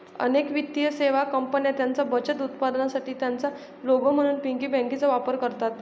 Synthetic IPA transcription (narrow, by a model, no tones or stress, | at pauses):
ə̰nekʋit̪ːijəseʋakəmpənjat̪jant͡sabət͡ɕət̪ut̪pad̪nasaʈiːt̪jant͡sa | loɡəm̤əɽ̃uːnpiŋkiːbɛ̃ŋkit͡səʋapəɾkəɾt̪at̪